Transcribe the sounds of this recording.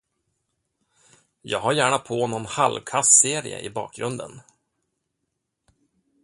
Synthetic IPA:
jɑ̰ːɡɦaɾjæːɳapʰoːnɔnhalvkʰasseːɾɪ̰ə̰ʔɪbɑ̰ːk̚ɡɾɵnd̪ə̰n

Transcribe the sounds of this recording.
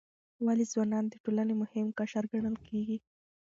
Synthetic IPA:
walizwɑnɑnd̪əʈolanemʊhɪmkaʃaɾɡaɳ̃əlkʰeɡi

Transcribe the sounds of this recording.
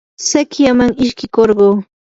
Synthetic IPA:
sakjamaŋɪʃkɪkoɾɢoː

